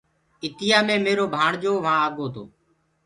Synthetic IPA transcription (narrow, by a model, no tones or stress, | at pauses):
ɪt̪ɪjaːmẽːmeːɾoːbʱaːɳd͡ʒoːʋãːaːɠoːt̪ʰo̰ː